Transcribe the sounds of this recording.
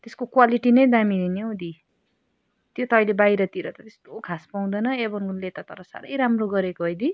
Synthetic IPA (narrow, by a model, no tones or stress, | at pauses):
t̪eskokwaliʈinʌjd̪amid̪inijowd̪i | t̪jot̪ʌʌjlebajɾʌt̪iɾʌt̪ʌt̪est̪okʰaspaw̃d̪ʌnʌebʌnɡunlet̪at̪ʌɾʌsa̰ɾʌ̰jɾamroɡʌɾekoɦʌjd̪i